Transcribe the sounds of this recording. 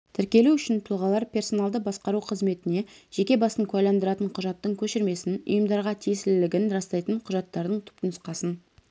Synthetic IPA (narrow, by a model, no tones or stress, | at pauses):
t̪ʰɪɾkʲe̞luʏʃɪnt̪ʰʊlˠʁɑlˠɑɾpʲe̞rso̞nɑlˠd̪əbɑsqɑɾuqʰəzme̞t̪ɪne̞ʒ̥e̞kʲe̞bɑsəŋkʲʰʉajlˠɑnd̪əɾɑt̪əɴqʰʊʒɑt̪ːəɴkʲʰɵʃɪɾme̞sɪnʊ̰jəmd̪ɑɾʁɑt̪ʰijsɪlɪlɪɡʲɪnɾɑst̪ɑjt̪əɴqʰʊʒɑt̪ːɑɾd̪əɴt̪ʰʏ̥p̚t̪ɪnʊsqɑsən